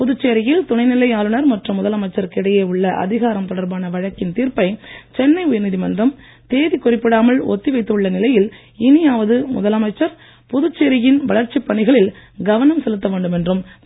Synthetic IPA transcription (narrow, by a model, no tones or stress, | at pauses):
pʊðɯt͡ʃːeɾɪjɪlt̪ʊnɐɪnɪlɐɪaːlɯnɐɾmɐʈrɯmːʊðɐlɐmɐɪt͡ʃːɐɾkɪɽɐjeːɯɭːɐʔɐ̰ðɪɣaːɾɐmt̪ɔɽɐɾbaːnɐʋɐɻɐkːɪnt̪iːɾpɐɪt͡ʃɛnːɐɪʊjɐnɪðimɐndrɐm | t̪eːðikːʊrɪpːɪɽaːmɐɭɔ̰t̪ːɪʋɐɪt̪ːɯɭːɐnɪlɐjɪl | ɪnɪjaːʋɐðɯmʊ̰ðɐlɐmɐɪt͡ʃːɐɾ | pʊðɯt͡ʃːeɾɪjɪnʋɐɭɐɾt͡ʃːipːɐɳɪɣɐɭɪlɡɐʋɐnɐmsɛlɯt̪ːɐʋeːɳɖɯmɛndrɯm